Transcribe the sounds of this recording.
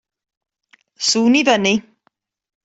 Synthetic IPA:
suːniðəni

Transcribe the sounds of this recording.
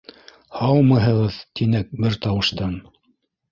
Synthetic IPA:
hɑw̪ˠmɤ̆ɦɤ̆ʁɤðt̪ʰinæk̚bɘɾt̪ɑwɤ̆ʃt̪ɑn

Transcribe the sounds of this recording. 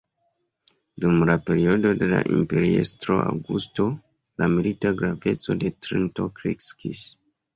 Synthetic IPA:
dumlape̞ɾio̞do̞de̞la̰ʔimpe̞ɾiḛstɾo̞ʔa̰wɡusto̞ | lamilitaɡɾave̞t͡so̞de̞tɾinto̞kɾikskis

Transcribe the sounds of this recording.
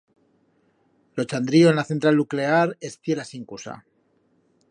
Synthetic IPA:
lot͡ʃand̪ɾioenlaθe̞nt̪ɾalnukle̞aɾe̞sθje̞lasiŋkusa̰

